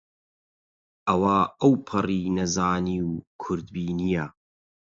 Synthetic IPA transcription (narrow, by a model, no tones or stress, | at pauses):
ʔɐwaɐwpʰɐriːnɐzaːniːwkʰʊɾd̪biːnija